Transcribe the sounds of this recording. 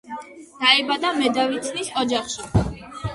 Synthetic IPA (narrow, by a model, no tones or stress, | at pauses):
d̪̥aɛbad̪amɛd̪avit̪ʰnisɔd͡ʒaχʃi